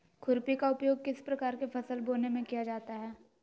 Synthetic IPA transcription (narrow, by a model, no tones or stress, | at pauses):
kʰʊɾpikaʊpjoːɡ̚kɪspɾɐkaːɾkepʰɐsəlboːnemẽkijad͡ʒaːt̪aɦɛː